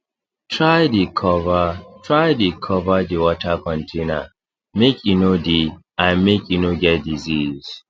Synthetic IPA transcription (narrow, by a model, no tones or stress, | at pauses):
tʰɹajdikʰɔvatʰɹajdikʰɔvadiwɔtʰakʰɔ̃ntʰena̰ | mekjunodiʔãnmekjunoɡɛt̚diziz̥